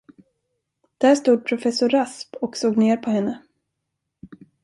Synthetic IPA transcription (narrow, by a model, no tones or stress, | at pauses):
d̪̥æːʂt̪uːd̪̚pʰɾʊfɛsːʊɾaspɔksoːɡneːɾpʰɔhɛnːə